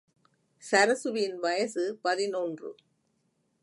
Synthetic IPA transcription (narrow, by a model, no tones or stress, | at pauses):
sɐɾɐsɯʋɪnʋɐjɐsɯpɐðɪnɔndrɯ̰